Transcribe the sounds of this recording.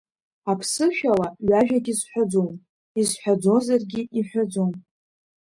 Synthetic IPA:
apʰsɨʃᶣalaɥaʒᶣaɡʲizħʷᶣad͡zom | izħʷad͡zo̞zarɡʲiʔiħʷᶣad͡zo̞m

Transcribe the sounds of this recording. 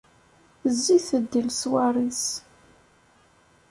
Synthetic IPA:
zːiθəd̪ːilswarˤis

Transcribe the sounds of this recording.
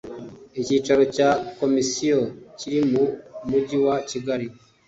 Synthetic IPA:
iciːt͡ʃaɾo̞caːko̞misijo̞ciɾimumuɟiwaciɡaɾi

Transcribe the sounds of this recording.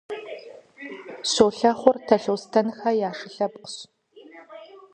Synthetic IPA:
soːɬɐχʷʊrtʰɐɬowstʰɐnxɐjaːʂɨɬɐpʼqəɕ

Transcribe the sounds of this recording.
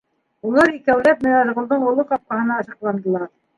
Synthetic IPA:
ulˠɑɾikæwlæp̚mɘ̆næɾ̆ʁŏlˠd̪ɤɴulˠɤqɑp̚qɑɦɤ̆nɑɤʃɑqlˠɑnd̪ɤ̆lˠɑɾ

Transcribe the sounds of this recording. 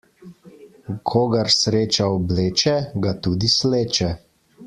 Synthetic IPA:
kʰoːɡɐɾsɾeːt͡ʃaɔbleːt͡ʃɛɡat̪uːd̪isleːt͡ʃɛ

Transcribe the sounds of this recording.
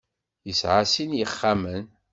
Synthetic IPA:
jəsʕasinjəχːamən

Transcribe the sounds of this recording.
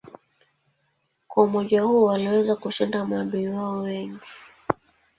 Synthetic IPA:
kwaumɔʄahuwaliwɛzakuʃindamaɓiiwaɔwɛŋɡi

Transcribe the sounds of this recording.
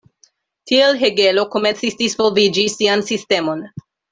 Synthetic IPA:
tʰielɦe̞ɡe̞lo̞kome̞nt͡sisdisvolvid͡ʒisiansiste̞mo̞n

